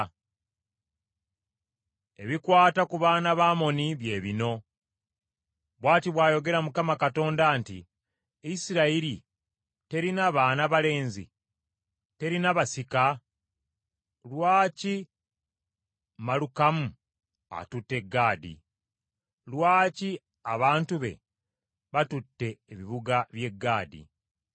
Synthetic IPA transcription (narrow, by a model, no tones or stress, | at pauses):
e̞̰βikwaːtakuβaːnaβaːmo̞niβje̞ːβino̞ | βwaːtiβwaːjo̞ɡe̞ɾamukamakato̞ːndantḭ | isiɾaiɾi | te̞ɾinaβaːnaβale̞ːnzḭ | te̞ɾinaβasika | lwaːci | malukamu | a̰tutːe̞ɡːaːdḭ | lwaːci | aβaːntuβe̞̰ | βatutːe̞ːβiβuɡaβje̞ɡːaːdḭ